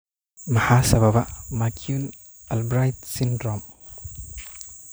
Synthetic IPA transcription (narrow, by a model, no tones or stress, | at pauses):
mɐhasɐbabaʔmakʰiun | albɾajt̪̚sindɾɔm